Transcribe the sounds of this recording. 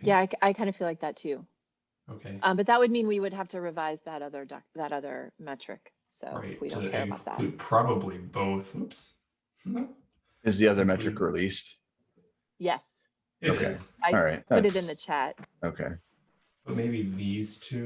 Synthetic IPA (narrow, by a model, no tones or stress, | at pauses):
jæaɪkaɪkʰãɪ̃ndɨfilaɪk̚ðɨtʰʉ | oʊkʰeɪʔʌ̃mbʌt̪̚ðət̚wɨd̚mĩnwiwɨd̚ɦæftɨɹɨvaɪzðɨɾʌðə˞dɑ̰ðɨɾʌðə̰˞mɛt͡ʃɹ̥ɨ̰k | so̰ʊɹɪfwiõ̰ʊ̃kʰɛɹɨbaʊt̪̚ðæ̰tɨpʰɹ̥ɑbəbliboʊθps̩ | ɨzðiʌðə˞mɛt͡ʃɹ̥ɨkɹilist̚ | jɛs | oʊkḛɪaɪɑɹaɪt̚pʊɾɨɾɨ̃nðɨt͡ʃʰæt̚oʊkʰḛɪ | b̥ʌt̚meɪbiðiz̥tʰʉ